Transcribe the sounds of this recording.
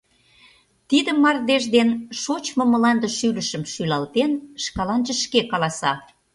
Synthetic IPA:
t̪id̪əmːɑrd̪eʒd̪enʃot͡ɕmŏmə̆lɑnd̪ə̆ʃylə̆ʃə̆mʃylɑlt̪enʃkɑlɑnʒə̆ʃkekɑlɑsɑ̰

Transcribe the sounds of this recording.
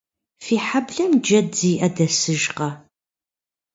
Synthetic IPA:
fiːħabɮɐmd͡ʒɐdiːʔɐdɐsɨʒqɐ

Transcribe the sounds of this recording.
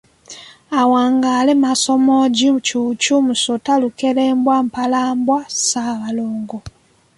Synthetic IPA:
awaːŋɡalemaso̞moɟicuːcumusotalukeleːmbwam̩palaːmbwasaːβaloːŋɡo

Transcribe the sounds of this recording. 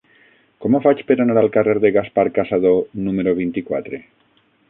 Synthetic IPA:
komofat͡ʃpeɾanaɾalkareɾðeɣaspaɾkasað̞onumeɾoβ̞int̪ikwa̰t̪ɾe

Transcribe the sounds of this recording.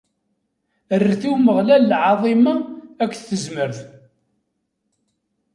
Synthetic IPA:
ərːθuwməʁlælːʕɑðˤimɑækʷːθθəzməɾθ

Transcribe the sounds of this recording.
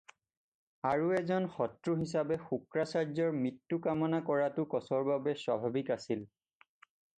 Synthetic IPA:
aɹuɛzɔnxɔtɹuɦisabɛxukɹasaɹzɔɹmitːukamɔnakɔɹatʊkɔsɔɹbabɛswabʱabikasil

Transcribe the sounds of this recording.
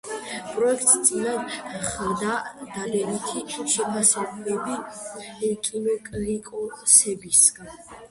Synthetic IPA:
pʼɾɔɛk̚ʰt̪ʼst̪sʼinanχɾd̪ad̪̥alɛnit̪ʰiʃɛpʰasɛblɛbiɛkʼimɛkʼlikʼɔsɛbisɡan

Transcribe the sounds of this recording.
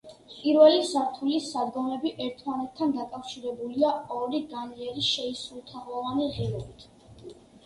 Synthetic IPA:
pʼiɾvɛlisaɾt̪ʰulisad̪ɡɔmɛbiʔɛɾt̪ʰmanɛt̪̚ʰt̪ʰːand̪akʼafʃiɾɛbuliaɔɾiɡaniɛɾiʃɛisulˠt̪ʰaʁlˠɔvaniʁiɾɔbit̪ʰ

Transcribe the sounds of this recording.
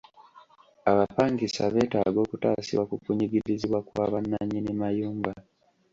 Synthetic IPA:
aβapaːŋkisa̰βe̞ːtaɡo̞ːkuta̰ːsḭβwakukuɲiɡiɾiziβwakwaːβanːaɲinimajuːŋɡa

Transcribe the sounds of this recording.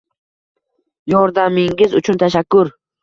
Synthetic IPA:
jɒɾd̪amɪŋɪzʊt͡ʃʰʊnt̪ʰaʃ̬akːʊɾ

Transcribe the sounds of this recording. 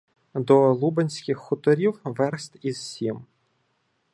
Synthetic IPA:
d̪ɔlˠubenʲsʲkʲɪxːʊt̪ɔɾʲiwʋɛɾst̪ʲiz̥sʲim

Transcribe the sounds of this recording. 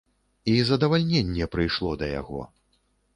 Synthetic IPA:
izɐd̪ɐvalʲnʲɛnʲːɛpɾɨjʂlˠɔd̪ɐja̰ɣɔ̰

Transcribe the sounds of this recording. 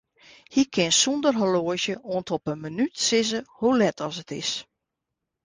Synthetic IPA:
hikʰɪnsundərɦəloəzjəʔoəntʰɔpənmənytsɪzəholɛtʰɔsətɪ̰s

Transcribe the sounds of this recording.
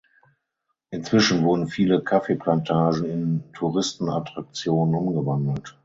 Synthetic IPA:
ʔɪnt͡sv̥ɪʃn̩vʊɐdn̩fiːləkʰafeplantʰaːʒn̩ɪntʰuʁɪstn̩atʁ̥ak̚t͡sjoːnənʊmɡəvandl̩t

